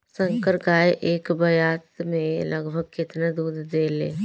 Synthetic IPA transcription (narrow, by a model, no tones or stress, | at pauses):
sə̃ŋkəɾɡaːeʔeːkbɐjaːt̪mẽləɡbʱəɡ̚kɪt̪nad̪uːd̪ːeːlḛː